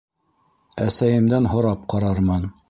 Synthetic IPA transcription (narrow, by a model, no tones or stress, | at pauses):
æsæjɘ̆md̪ænɦŏɾɑp̚qɑɾɑɾmɑn